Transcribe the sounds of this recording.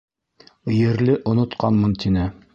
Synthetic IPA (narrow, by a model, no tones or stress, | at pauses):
jɘ̆ɾlɘʔŏnŏt̪qɑnmɤnt̪ʰinɘ